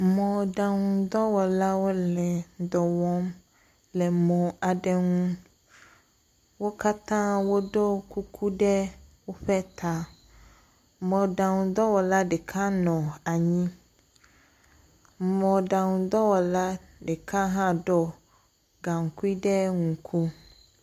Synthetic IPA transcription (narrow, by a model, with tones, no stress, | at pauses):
mɔ̃˨ɖa˨ŋũ˨d̪ɔ˦wɔ˨la˦wo˦lɛ˨˦d̪ɔ˨wɔ˦m | lɛ˨mɔ̃˨a˨ɖɛ˦ŋuũ˦ | wo˦ka˦t̪ã˦wo˦ɖɔ˦ku˦kʰu˦ɖɛ˦wo˦ɸɛ˦t̪ʰa˨ | mɔ̃˨ɖa˨ŋũ˨d̪ɔ˦wɔ˨la˦ɖɛ˨kʰa˦nɔ̃˨a˨ɲĩ˦ | mɔ̃˨ɖa˨ŋũ˨d̪ɔ˦wɔ˨la˦ | ɖɛ˨kʰa˦ɦã˦ɖɔ˦ | ɡã˨ŋ˨ku˦i˦ɖɛ˦ŋũ˨kʰu˦